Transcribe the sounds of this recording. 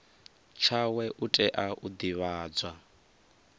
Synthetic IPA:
t͡ʃʰawɛʔutʼɛʔaʔud̪iβaːd͡zwa

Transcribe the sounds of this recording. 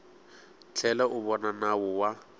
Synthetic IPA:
t͡ɬʰɛlɛʔʊbɔnanaʊwa

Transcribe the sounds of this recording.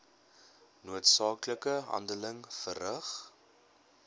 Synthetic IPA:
nuətsɑːkləkəɦɐ̰ndələŋfərəχ

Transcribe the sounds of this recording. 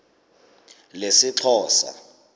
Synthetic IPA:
lesɪǁʰɔːsa̰

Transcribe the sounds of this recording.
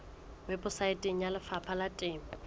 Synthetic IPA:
mɪpʼʊsaɪtʼeŋ̩jalɪfapʰalatʼeːŋ̩

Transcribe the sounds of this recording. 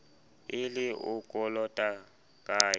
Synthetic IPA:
ɪlɪʊkʼɔlɔtʼa | kʼaː

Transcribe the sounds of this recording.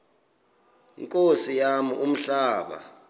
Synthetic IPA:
iŋkʼosijamiʔum̩ɬaːɓa̰

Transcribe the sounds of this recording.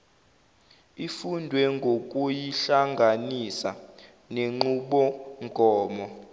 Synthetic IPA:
ifundʱwɛŋɡʱok̬ʼujiɬaŋɡʱanisa̰ | neŋ͡ǃuɓɔŋɡʱɔːmɔ

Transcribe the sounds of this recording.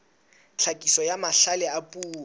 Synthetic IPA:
t͡ɬʰakʼisɔjamaɬalɛapʼuːɔ

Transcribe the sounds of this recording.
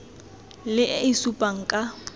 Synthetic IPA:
lɪʔisupʼaŋ̩kʼa

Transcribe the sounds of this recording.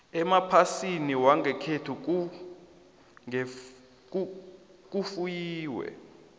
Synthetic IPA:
ɛmapʰasiniwaŋʱɛkʰetʰuk̬u | ŋɛ | k̬u | k̬ufujiːwɛ̰

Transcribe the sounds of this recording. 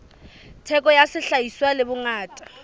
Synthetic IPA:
tʰɛkʼɔjasɪɬaiswalɪbʊŋaːtʼḁ

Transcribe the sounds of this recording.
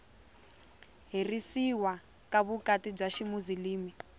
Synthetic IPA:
ɦirisiwa | kaβukatib͡ʐaʃimuziliːmi

